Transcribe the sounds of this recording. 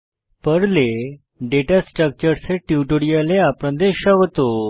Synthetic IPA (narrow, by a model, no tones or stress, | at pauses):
pəɽle | ɖeʈasʈɾək̚t͡ɕəɾseʈiʈoɽijaleapɾə̃nd̪eɕəʋt̪o